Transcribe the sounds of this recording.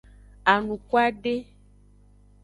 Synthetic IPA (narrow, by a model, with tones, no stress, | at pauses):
a˨nũ˨ko˦a˦ɖe˦